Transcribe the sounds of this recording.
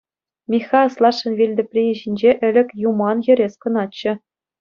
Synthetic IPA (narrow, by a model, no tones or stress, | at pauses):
mʲixɑslˠɑʂɤ̆nʋʲilʲd̪ɘ̆pʲrʲiʑinʲd͡ʑeʔɘ̆lʲɘ̆kʲjumɑnjɘ̆ɾʲeskɤ̆nɑtt͡ɕːɘ̆